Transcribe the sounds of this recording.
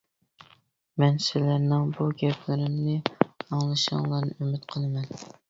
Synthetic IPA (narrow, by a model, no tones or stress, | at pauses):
mɛnsɪlæɾnɪŋbuɡʲɛpʰlɪɾɪmnɪɑŋlˠɨʃɑ̰ŋlˠɑɾnɨʔymɪt̪qʰəlˠɨmɛn